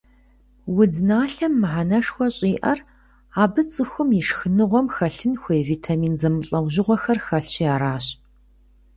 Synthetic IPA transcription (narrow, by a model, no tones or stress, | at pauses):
wʊdnaːɬɐmːɨħanɐʂxʷɔɕʼiːʔɐr | aːbɨt͡sʼɨxʷʊmjiʂxɨnɨʁʷɔmxɐɬɨnxʷejviːtʰamiːnzɐmɨɬʼɐwʑɪʁʷɔxɐrxɐɬt͡ʃʰijaːɾaːɕ